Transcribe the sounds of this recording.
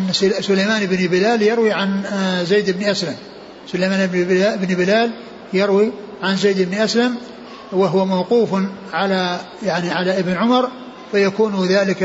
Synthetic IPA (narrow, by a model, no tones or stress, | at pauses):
nːsʊlajmaːnɪbnɪbɪlaːljɑɾwiʕanzeːd̪ɪbnʔaslam | sʊlajmaːnbɪbnbɪlaːl | jɑɾwi | ʕanzejd̪ɪbnʔaslam | wɪɦʊwamawquːfʕala | jaʕniʕalaʔɪbnʕʊmɑɾˤ | fajakuːnðaːlɪk